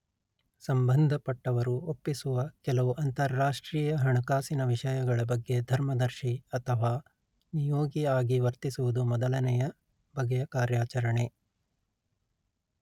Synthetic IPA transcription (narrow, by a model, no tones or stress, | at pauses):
sɐmbɐnd̪ʱɐpɐʈːɐʋɐɾuopːisuʋɐkɛlɐʋuʔɐnt̪ɐɾːaːʂʈɾiːjɐɦɐɳɐkaːsinɐʋiʂɐjɐɡɐɭɐbɐɡːe̞d̪ʱɐɾmɐd̪ɐɾʃiɐt̪ʰɐʋaː | nijoːɡiaːɡiʋɐɾt̪isuʋud̪umɔd̪ɐlɐnɛjɐ | bʱɐɡɐjɐkaːɾjaːt͡ʃɐɾɐɳe̞